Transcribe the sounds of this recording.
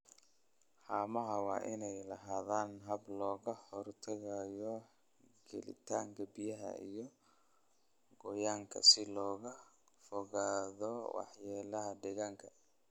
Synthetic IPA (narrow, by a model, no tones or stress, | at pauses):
ħaːmɐɦɐwɑːʔɪnɛjlɐɦaːðaːnɦɐblɔːɣɐhɔrt̪ʰɐɣajɔ | ɡ̥ɛ̰lɪ̰t̪ʰaːŋkʰɐbijɐɦɐ̰ḭjɔ | ɡɔjaːŋkʰɐ̰sɪlɔːɣɐ | fɔɣaːðɔwɑ̰ħjaːlɐɦɐɖɪɣaːŋkʰɐ̥